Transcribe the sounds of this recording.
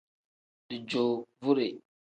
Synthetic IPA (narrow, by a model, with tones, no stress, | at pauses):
di˨d͡ʒo˨vu˦ɾe˨